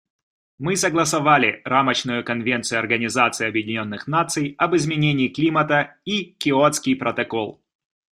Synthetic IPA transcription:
mɨsɐɡlˠəsɐvalʲɪramət͡ɕnʊjʊkɐnvʲent̪sɨjʊɐrɡənʲɪzat̪sɨɐbjɪdʲɪnʲo̞nːɨxnat̪sɨjɐbɨzmʲɪnʲenʲɪːklʲimət̪əikʲɪot̪skʲɪjpɾət̪ɐkolˠ

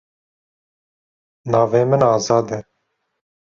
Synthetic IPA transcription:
nɑːveːmɨnɑːzɑːd̪ɛ

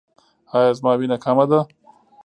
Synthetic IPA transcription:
ɑjɑːzmɑwinakʰamad̪a

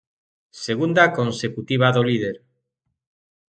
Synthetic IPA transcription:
seɣund̪akonsekut̪iβ̞aðolið̞eɾ

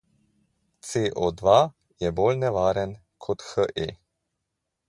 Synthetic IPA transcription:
t̪seʔod̪ʋa | jɛboːlnɛʋaːɾɛn | kʰɔt̪xəʔe

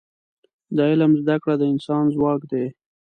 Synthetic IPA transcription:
d̪aɪlamzd̪akɽad̪əɪnsɑnzwɑkd̪e

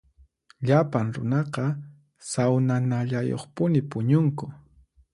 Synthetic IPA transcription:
ʎapaŋɾʊ̰nɑqɑ | sawnanaʎajo̰χpʊnɪpʊɲʊŋkʊ

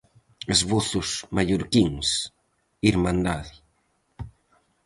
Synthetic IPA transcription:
ezβoθʊsmaʎoɾkiŋs | iɾmãnd̪aði

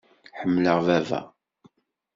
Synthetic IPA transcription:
ħəmːləʁvævæ̰

